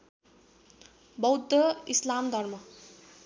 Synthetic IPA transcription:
bʌwd̪ʱʌislamd̪ʱʌrmʌ

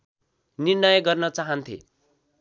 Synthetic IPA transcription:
nirnʌjɡʌrnʌt͡saɦʌnt̪ʰḛ

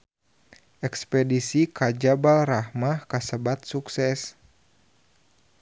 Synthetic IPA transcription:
ʔɛkspɛdisikad͡ʒabalrahmahkasəbat̪̚suksɛs

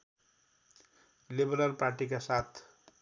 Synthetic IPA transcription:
libʌɾalparʈikasat̪ʰ

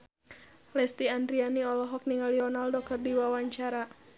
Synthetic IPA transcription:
lɛst̪iandɾianiɔlɔɦɔk̚niŋaliɾɔnaldɔkərdiwawaɲt͡ʃaɾa

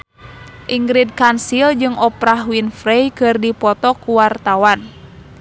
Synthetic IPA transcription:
ʔiŋɡɾid̚kansild͡ʒɨŋʔɔpɾahwinfɾejkɨrdipɔt̪ɔkuwart̪awan

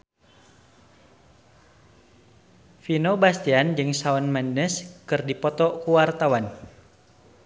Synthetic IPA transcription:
finobast̪iand͡ʒɨŋsaɔnmandəskɨrdipɔt̪ɔkuwart̪awan

